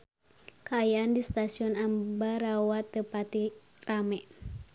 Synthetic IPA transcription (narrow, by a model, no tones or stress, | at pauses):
kəajaandist̪asiɔnambaɾawat̪əpat̪i | ramɛʔ